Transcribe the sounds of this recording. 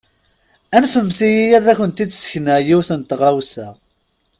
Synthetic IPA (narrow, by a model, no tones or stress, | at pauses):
ænfəmθijijæðæçʷənt̪id̪sə̥çnæʕjiwθənt̪ʁæwsæ